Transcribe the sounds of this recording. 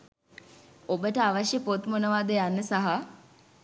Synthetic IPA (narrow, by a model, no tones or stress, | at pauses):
obəʈəaʋaʃjəpot̪munəʋaːd̪ejanːəsaɦa